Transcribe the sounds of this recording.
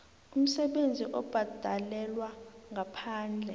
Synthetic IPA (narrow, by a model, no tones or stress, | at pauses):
um̩sɛɓend͡zʱiʔɔb̥ʱad̥ʱalɛlwaŋɡapʰaːnd͡ɮʱɛ